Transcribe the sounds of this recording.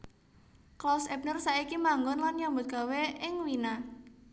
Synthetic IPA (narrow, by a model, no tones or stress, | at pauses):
klɔsɛp̚nərsaikimaŋɡɔnlanjɔmbʊt̪̚ɡ̥a̤weɪŋwina